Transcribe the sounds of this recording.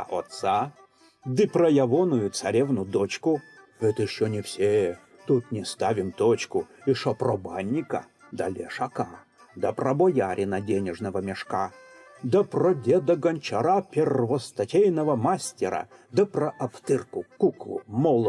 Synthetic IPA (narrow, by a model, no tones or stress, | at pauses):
ot̪sa | d̪ɨprəjɐvonʊjʊt̪sɐɾʲɛvnʊd̪ot͡ɕkʊ | vɛt̪jɪɕːonʲɪfsʲe | t̪ut̪nʲɪst̪avʲɪmt̪ot͡ɕkʊɪʂoprɔbanʲːɪkə̰ | d̪ɐ̰lʲeʂɐka | d̪ɐprɐbɔjaɾʲɪnɐdʲenʲɪʐnəvəmʲɪʂka | d̪əprodʲed̪əɡɐnʲt͡ɕɐɾapʲɪrvɔst̪ɐtʲejnəvəmasʲtʲɪɾə̰ | d̪əprɐʔɐft̪ɨrkʊkuklˠʊ̰mɔlˠ